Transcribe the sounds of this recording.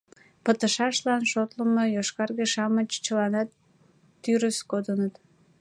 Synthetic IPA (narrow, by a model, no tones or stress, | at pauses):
pət̪əʃɑʃlɑnʃot̪ləməjoʃkɑrɣeʃɑmət͡ɕt͡ɕəlɑnɑt̪ː | yɾəskod̪ənət̪